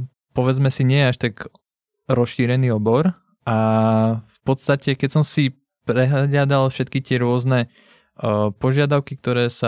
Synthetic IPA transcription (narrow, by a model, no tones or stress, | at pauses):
pɔʋɛd͡zmɛsiɲɪɛjɛaʃt̪aɡ | ɾɔsʃiːɾɛniːɔbɔɾ | ʔa | fpɔt̪st̪acɛkɛcsɔmsi | pɾɛɦlaɟad̪alfʃɛt̪kit̪ɪɛɾʊɔznɛ | pɔʒɪad̪aʊkik̚t̪ɔɾɛːsa